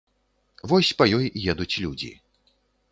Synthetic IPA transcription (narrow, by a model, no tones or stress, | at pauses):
vɔsʲpɐjɔjjɛd̪ut͡sʲlʲud͡zʲḭ